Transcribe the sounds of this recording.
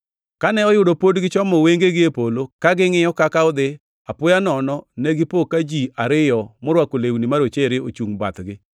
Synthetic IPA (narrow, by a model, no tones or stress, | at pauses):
kanɛɔjʊdopodɡɪt͡ʃɔmɔweŋɡeɡɪepolokaɡɪŋɪjɔkakaɔd̪ɪ | apʊjanɔnɔnɛɡɪpokad͡ʒiaɾɪjɔmʊɾwakolewnimaɾot͡ʃeɾɪot͡ʃuŋba̰t̪ɡɪ